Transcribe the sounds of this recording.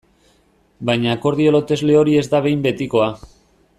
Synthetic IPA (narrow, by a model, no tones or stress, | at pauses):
bajɲako̞ɾð̞io̞lo̞t̪e̞zle̞o̞ɾie̞zd̪aβ̞ejmbe̞t̪iko̞a